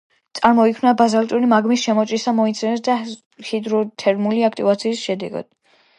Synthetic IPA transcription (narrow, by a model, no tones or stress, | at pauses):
t̪sʼaɾmɔikʰmnabazalt̪ʼuɾimaɡmisʃɛmɔt͡ʃʼisamɔit̪sʰɛnɛsd̪a | hid̪ɾɔt̪ʰɛɾmuliak̚ʰt̪ʼivat̪sʰiːsʃɛd̪ɛ̰ɡa̰d̪̥